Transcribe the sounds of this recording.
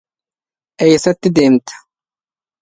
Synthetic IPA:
ʔɛjsɐt̪ːɪd̪eːmt̪ʰḁ

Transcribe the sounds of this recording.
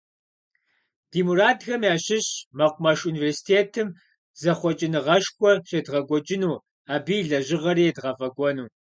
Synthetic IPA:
d̥iːmuraːdxɐmjaːɕɪɕmɐqʷʊmɐʂuːniversi̥tʰeːtʰɨm | zɐχʷɔt͡ʃʼɪnɨʁɐʂxʷɔɕʼedʁɐɡʷʼɔt͡ʃʼɪnuː | aːbiːɮɐʑɪʁɐɾidʁɐfɐɡʷɔnuː

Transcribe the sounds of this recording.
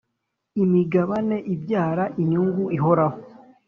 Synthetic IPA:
imiɡaβane̞ʔibjaːɾaʔiɲuːŋɡuiɦo̞ɾaho

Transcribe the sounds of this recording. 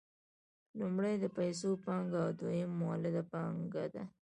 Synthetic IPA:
lumɽajd̪əpajs̬opɑŋɡawd̪wajɪmːwalɪd̪apɑŋɡad̪a̰

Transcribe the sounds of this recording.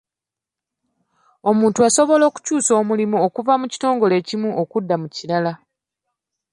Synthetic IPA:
o̞muːntuaso̞βo̞lo̞ːku̥cuːso̞ːmulimuo̞kuvamuci̥to̞ːŋɡo̞le̞ːcimuʔokudːamuciɾala

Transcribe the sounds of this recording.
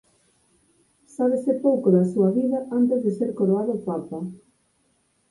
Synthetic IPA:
saβ̞esɪpowkoðɐsuɐβiðɐʔant̪ezðeseɾkoɾoaðopapa

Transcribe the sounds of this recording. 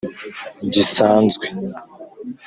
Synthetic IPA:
ɟisaːnzɡwe

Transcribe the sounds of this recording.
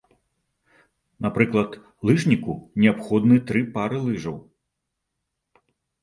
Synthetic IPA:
napɾɨklˠɐt̪ | lˠɨʐnʲikunʲɛapxɔd̪nɨt̪ɾɨpaɾɨlˠɨʐɐw

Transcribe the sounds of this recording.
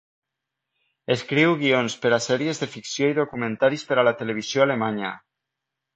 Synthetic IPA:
eskɾiwɣionspeɾasɛɾiezðefiksjoiðokumẽnt̪aɾispeɾalat̪eleβ̞iz̥joalemaɲa̰

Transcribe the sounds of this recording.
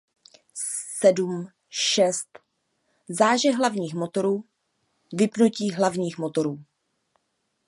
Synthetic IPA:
sɛdum | ʃɛst̪ | zaːʒɛɦlavɲiːxmo̞t̪o̞ɾuː | vɪpnuciːɦlavɲiːxmo̞t̪o̞ɾuː

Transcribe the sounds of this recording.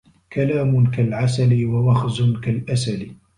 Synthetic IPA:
kalaːmʊkalʕasaliwawaxzʊnkalʔasali

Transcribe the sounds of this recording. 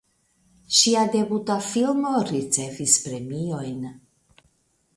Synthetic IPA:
ʃiadebut̪afilmoɾit͡se̞vispɾemio̞jn

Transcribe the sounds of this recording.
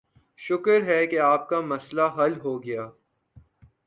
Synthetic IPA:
ʃʊkəɾɦɛkeaːp̚kamɐslaɦɐlɦoːɡɐjaː

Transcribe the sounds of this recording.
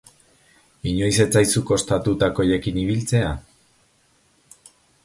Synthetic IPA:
iɲo̞jse̞t͡sajsuko̞st̪at̪ut̪ako̞jekiniβilt͡se̞a

